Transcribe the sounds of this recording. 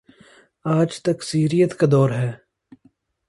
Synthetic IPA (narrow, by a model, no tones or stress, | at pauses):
aːd͡ʒt̪ɐksiːɾijət̪kad̪ɔːɾɦɛː